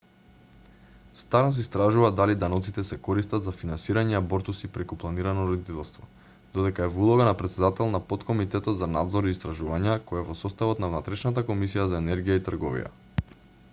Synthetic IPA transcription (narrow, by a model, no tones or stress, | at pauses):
st̪aɾns̬ɛist̪ɾaʒuvad̪alid̪anɔt̪sit̪ɛsɛkɔɾist̪at̪zafinansiɾaɲɛabɔɾt̪usipɾɛkuplˠaniɾanɔɾɔd̪it̪ɛlˠst̪vɔ | d̪̥ɔd̪ɛkaɛvulˠɔɡanapɾɛt̪sɛd̪at̪ɛlˠnapɔt̪kɔmit̪ɛt̪ɔt̪zana̰d̪zɔɾiːst̪ɾaʒuvaɲakɔjavɔsɔst̪avɔt̪navnat̪ɾɛʃnat̪akomisijazaɛnɛɾɡijait̪rɡɔvḭja̰